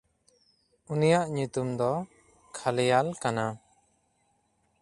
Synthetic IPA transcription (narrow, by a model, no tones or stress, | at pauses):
unijaʔɲut̪umd̪ɔ | kʰalɛjalkana